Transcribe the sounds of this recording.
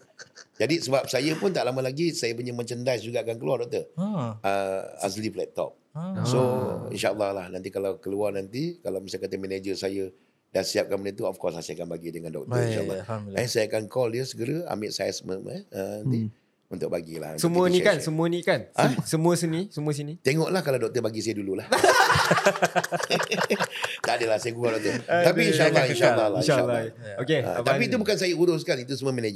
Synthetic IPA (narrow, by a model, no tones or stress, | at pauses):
d͡ʒadisəbap̚sajəpʊnt̪aʔlaməlaɡisajəpuɲəmə̃ɲt͡ʃəndajsd͡ʒuɡaʔakankəluardɔk̚t̪ərəa̰sliplɛt̪ːɔ̰p̚soḭnʃaʔəlːahlahnant̪ikalawkəluarnant̪ikalawmisakat̪əmɛned͡ʒəsajə | dasiap̚kanmənət̪̬uɔfkɔrsasiakanbaɡidəŋandɔ̰k̚təɾiʃa̰lːɛnsajaakankɔldiəsəɡəɾəa̰mɪʔsajasəməm̰ɛəani | unt̪ʊk̚baɡila̰hnsəmuənĩkansəmũənĩkanasəmũəsənĩsəmuəs̬inĩt̪ɛŋɔʔlahkaladɔk̚t̪əbaɡisajədululah | t̪adəlahsajəɡuɡadɔt̪ut̪apiinʃalːainʃaalːalːalokeə̰t̪apiːt̪ubukansajəuɾʊs̬kanit̪us̬əməmɛned͡ʒə